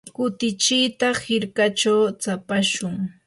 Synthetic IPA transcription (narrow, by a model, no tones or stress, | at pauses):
kʊt̪ɪt͡ʃijt̪ahɪɾkat͡ʃawt͡sapaʃʊŋ